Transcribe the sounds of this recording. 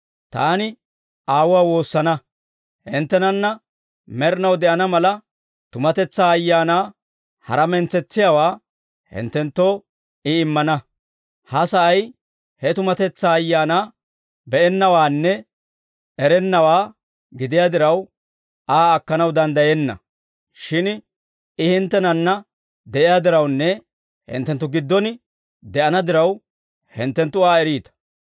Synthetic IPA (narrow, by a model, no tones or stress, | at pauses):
t̪aːnɪ | aːwʊwaːwo̞ːsːɐnɐ | hɪnt̪ːɛnɐnːɐ | mɛɾɪnɐwd̪ɛʔɐnɐmɐlɐ | t̪ʊmɐt̪ɛt͡sːaːɐjːaːnaː | hɐ̰ɾɐmɛnt͡sːɛt͡sːɪjaːwaː | hɪ̰nt̪ːɛnt̪ːo̞ː | ɪɪmːɐnɐ | hɐsɐʔɐj | hɛt̪ʊmɐt̪ɛt͡sːaːjːaːnaː | bɛʔɛnːɐwaːnːɛ | ɛɾɛnːɐwaː | ɡɪd̪ɪjaːd̪ɪɾɐw | aːɐkːɐnɐwd̪ɐnd̪ɐjɛnːɐ̰ | ʃɪn | ɪhɪnt̪ːɛnɐnːɐ | d̪ɛʔɪjaːd̪ɪɾɐwnːɛ | hɪ̰nt̪ːɛnt̪ːʊɡɪd̪ːɔn | d̪ɛʔɐnɐd̪ɪɾɐw | hɪ̰nt̪ːɛnt̪ːʊaːɛɾiːt̪ɐ̥